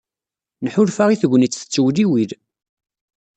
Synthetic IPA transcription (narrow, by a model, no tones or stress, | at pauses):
nħʊlfaʁiθəɡʷnit͡sːθə̥t͡sːəwðiwið